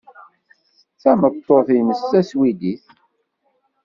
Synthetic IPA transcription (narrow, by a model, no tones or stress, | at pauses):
θæmət̪ˤːoθiməsːæswid̪iθ